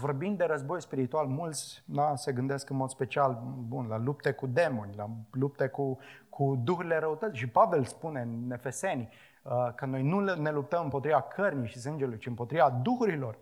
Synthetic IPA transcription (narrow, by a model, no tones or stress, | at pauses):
vo̞rbind̪̚d̪e̞ɾəzbo̞jspiɾit̪ualmult̪sʲnase̞ɡɨnd̪eskɨnmo̞d̪spe̞t͡ʃialbunlalup̚t̪ekud̪e̞mo̞nʲlalup̚t̪ekukʰud̪uxuɾile̞ɾəut̪ət̪sʲʃipave̞lspune̞ɨne̞fe̞se̞nʲ | əkəno̞jnune̞lup̚t̪əmɨmpot̪ɾivakʰərnʲijʃisɨnd͡ʒe̞lujt͡ʃiɨmpo̞t̪ɾivad̪uxuɾilo̞r